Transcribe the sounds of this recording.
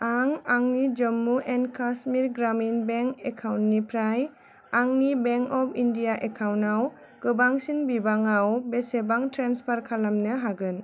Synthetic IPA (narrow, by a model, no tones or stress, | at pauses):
aŋaŋnid͡ʒɔmːuʔenkʰasmiɾɡɾaminbeŋkekʰawntːipʰɾaj | aŋnibeŋkɔpʰindijaʔekʰawnaw | kɯbaŋsinbibaŋawbesebaŋtɾanspʰaɾkʰalamnɯɦaɡɯn